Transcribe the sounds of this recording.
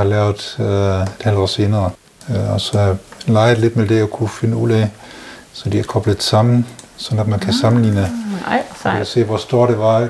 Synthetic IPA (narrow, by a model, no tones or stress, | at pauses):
hɑ̈lɛːʊðd̥ˠed̥hæld̥ɒ̰ːse̝ːnɐː | ɒsɒ̽hɑlɑ̈ɪð̩ˠle̝d̥med̥e̝ɒkʰufenəuð̰ˠɛ | sɒ̽d̥iæɐkʰɒ̽b̥ləðˠsɑ̈m̰n̩sɒ̽næd̥mænkʰæsɑ̈mn̩lḭːnəsiæse̝̰ːʋɒsd̥o̝ɐ̰d̥e̝ʋɑ̈